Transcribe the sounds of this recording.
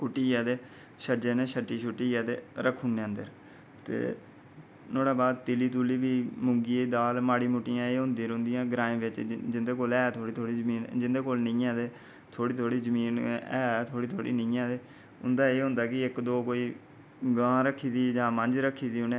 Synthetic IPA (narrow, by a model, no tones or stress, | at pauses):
kʊʈːiːaːd̪eː | ʃəd͡ʒeːneːʃəʈːiːʃʊʈːiːjaːd̪ḛːɾəkʰːʊneːə̃nd̪əɾ | t̪ḛː | noːɽaːbaːd̪t̪ɪliːt̪uːliːʋiːmʊŋɡiːed̪aːlmaːɽiːmʊʈːijãːeːɦʊ̃nd̪iɾõnd̪ijãːɡɾãːẽːʋɪt͡ʃd͡ʒɪnd̪eːkoːlɛːt̪ʰoːɽiːt̪ʰoːɽiːzəmiːnd͡ʒɪnd̪eːkoːlnɪĩːãːd̪eː | t̪ʰoːɽiːt̪ʰoːɽiːzəmiːnɛ̰ːt̪ʰoːɽiːt̪ʰoːɽḭːnəĩːãːd̪eː | ʊ̰nd̪aːeːɦʊ̃nd̪aːkɪɪkd̪oːkoːiː | ɡãːɾəkʰːiːd̪iːd͡ʒãːməɲd͡ʒɾəkʰːiːd̪iːɦʊneː